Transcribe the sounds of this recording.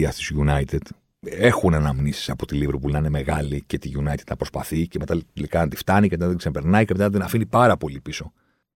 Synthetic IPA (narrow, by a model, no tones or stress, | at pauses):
ɐst̪izʝunɐit̪ed̪̥ | e̞xunenɐmnisi̥sɐpo̞t̪iliveɾpulnɐineme̞ɣɐlice̞t̪iʝunɐjt̪ed̪nɐpɾo̞spɐθiceme̞t̪ɐlikɐɐnd̪ift̪ɐnicemet̪ɐnd̪iksepe̞ɾnɐiceme̞t̪ɐnɐd̪inɐfinipɐɾɐpo̞lipiso̞